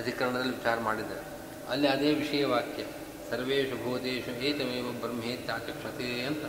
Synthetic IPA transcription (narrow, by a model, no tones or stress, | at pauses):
ɐd̪ʱikɐɾɐɳɐd̪ɐlːiʋit͡ʃaːɾɐmaːɽid̪ɐ̰ɾe | ɐlːiɐd̪eːʋiʂɐjɐʋaːkjɐ | sɐɾʋeːʃɐbʱoːd̪eːʃɐɦeːt̪ɐmeːʋɐbɐɾɐmɦeːt̪aːkɐkʂɐt̪eɐnt̪ɐ